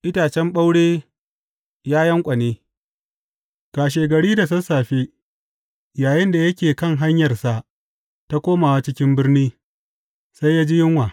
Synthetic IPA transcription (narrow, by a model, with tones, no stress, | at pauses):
ʔɪ˦taː˨t͡ʃɛ˦mɓa˦wɽeː˦ | jaː˦jɐ˦ŋkʷʼɐ˨neː˦ | ɡ̥aː˨ʃ̬eː˨ɡɐ˨ɽiː˦da˨sɐ˦saː˨ɸeː˦ | jaː˨jɪ˦nda˨jɐ˦kʲeː˨kɐ˦˨ŋɦa˦ɲjɐ˨rsa˨ʔ | ta˦kʷoː˦maː˨wa˦t͡ʃɪ˦kʲɪ˦mbɪ˦rniː˦ | sa˦jaː˦d͡ʒi˦jɪ˦ŋwaː˨